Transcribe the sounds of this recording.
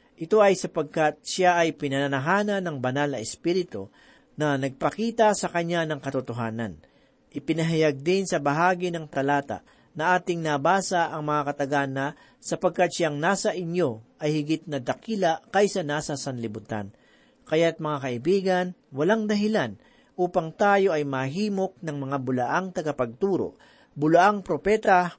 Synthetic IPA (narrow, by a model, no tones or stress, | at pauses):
ʔɪt̪o̞ʔɐjsɐpɐɡ̚kat̪̚ʃaʔɐjpɪnɐnɐnɐɦaːnɐnɐŋbɐnalnɐɛspiːɾɪt̪o̰ | nɐnɐɡ̚pɐkiːt̪ɐsɐkɐɲːanɐŋkɐt̪ʊt̪oɦaːnɐn | ʔɪpɪnɐɦajaɡ̚d̪ɪnsɐbɐɦaːɡinɐŋt̪ɐlaːt̪a̰ | nɐʔaːt̪ɪŋnɐbaːsaʔɐŋmɐŋakɐt̪ɐɡanɐ | sɐpɐɡ̚kat̪̚ʃaŋnaːsɐʔɪɲjo̞ʔɐjhɪɡɪt̪̚nɐd̪ɐkiːlɐkɐjsɐnaːsɐsɐnlɪbʊt̪a̰n | kɐjat̪̚mɐŋakɐʔɪbiːɡɐnwɐlaŋd̪ɐɦɪlan | ʔuːpɐŋt̪aːjo̞ʔɐjmɐɦiːmo̞k̚nɐŋmɐŋabʊlɐʔaŋt̪ɐɡɐpɐɡ̚t̪uːɾo̰ʔ | bʊlɐʔaŋpɾopɛːt̪ɐ